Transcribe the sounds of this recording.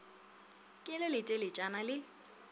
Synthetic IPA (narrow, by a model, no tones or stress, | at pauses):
kʼɪlɪlɪtʼelɪt͡ʃʼanalɪ